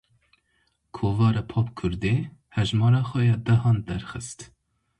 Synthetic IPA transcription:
kʰoːvɑːɾɑpʰɑːpkʰʊɾd̪ehɛʒmɑːɾɑːxɛjɑd̪ɛɦɑːnd̪ɛɾxɨst̪

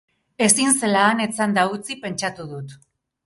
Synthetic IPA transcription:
e̞sinse̞laːne̞t͡sand̪aut͡sipe̞nt͡ʃat̪uðut̪

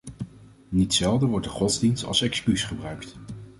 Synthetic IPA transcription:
nitsɛlˠdəʋɔɹt̚dəχɔtzdinstɑ̰lˠsɛkskysχəbrœɥkt

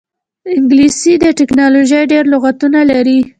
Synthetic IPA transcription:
ɪŋɡlisid̪əʈɪknɑloʒəjɖeɾlʊɣat̪unalaɾi

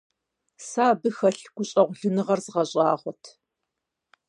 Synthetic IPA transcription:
saːbɨxɐɬɡ̥ʷʊɕʼɐʁʷʊɮɨnɨʁɐrzɨʁɐɕʼɑːʁʷɔtʰ

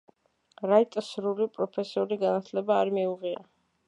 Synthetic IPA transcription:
ɾait̪ʼsɾulipʼɾɔpʰɛsiuɾiɡanat̪ʰlɛbaːɾmiuʁia̰

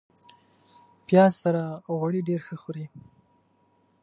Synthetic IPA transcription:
pjɑzsaɾaɣwaɽiɖeɾxəxoɾi

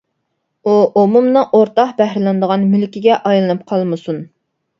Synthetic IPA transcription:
uomumnɨʔoɾt̪ɑqbæhɾɪlˠɨnd̪əʁɑnmylkʲiɡʲɛʔɑjlˠɨnɨp̚qʰɑlˠmɨsun

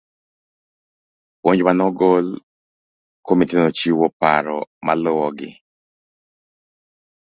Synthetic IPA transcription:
woɲd͡ʒwanɔɡol | komit̪enot͡ʃiwɔpaɾɔmalɔwɔɡɪ̰

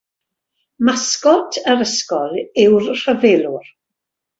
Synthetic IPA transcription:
maskɔtʰəɾəskɔlɪwrr̥əvelˠʊr

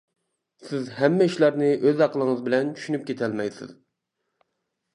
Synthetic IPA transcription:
sɪzhɛmːɛiʃlˠɑɾnɨɪʔøzɑqʰəlˠəŋəzbɪlɛnt͡ʃʰy̥ʃynyp̚kʲʰet̪ʰɛlmɛjsɪ̰z̥

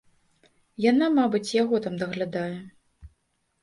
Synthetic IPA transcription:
janamabɨt͡sʲjaɣɔt̪amd̪ɐɣlʲad̪ajɛ

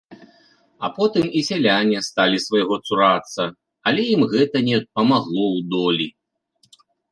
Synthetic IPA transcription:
ɐpɔt̪ɨmisʲɛlʲanʲɐst̪alʲisvɐjɣɔt̪suɾat̪sːɐ | ɐlʲɛjimɣɛt̪ɐnʲɛpɐmaɣlˠɔwd̪ɔlʲi

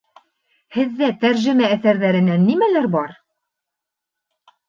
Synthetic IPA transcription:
hɘ̆ðːæt̪æɾʒɘ̆mæːθæɾðæɾɘ̆nænːimælæɾbɑɾ

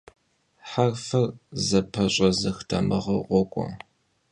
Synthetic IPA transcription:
ħarfɐrzɐpʰɐɕʼɐzɐxtʰɐmɐʁɐʁʷɔkʷʼɔ̰

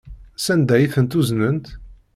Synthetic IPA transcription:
sænd̪æjiθənt̪uznənt̪

